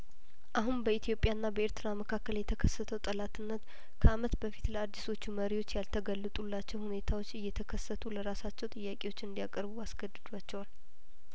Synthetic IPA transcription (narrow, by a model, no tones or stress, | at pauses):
ʔaɦunbəit̪ʰijo̞pʼjanːabəeɾt̪ʰɨɾaməkʰakːəljɛt̪ʰəkʰəsːət̪ʰəwt̪ʼəlat̪ʰɨnːət̪ | kʰəamət̪bəfit̪ləad̪ːiso̞t͡ʃːuməɾiwo̞t͡ʃːjalt̪ʰəɡəlːɨt̪ʼulːat͡ʃːɛwhune̞t̪ʰawo̞t͡ʃːɨjːɛt̪ʰəkʰəsːət̪ʰuləɾasat͡ʃːɛwt̪ʼɨjːakʼewo̞t͡ʃːɨnd̪ijakʼəɾbuasɡəd̪ːɨd̪wat͡ʃːɛwal